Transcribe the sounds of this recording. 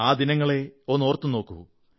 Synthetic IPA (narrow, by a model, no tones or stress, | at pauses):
aːd̪inɐŋːɐɭeoːnːoːrt̪ːuno̞ːkːṵʋu